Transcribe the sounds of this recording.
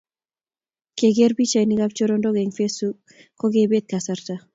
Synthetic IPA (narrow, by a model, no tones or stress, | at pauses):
keɡeɾbit͡ʃajniɡap̚t͡ʃoɾondɔɡɛŋfesuk | kːɔɡebet̪̚kasaɾt̪a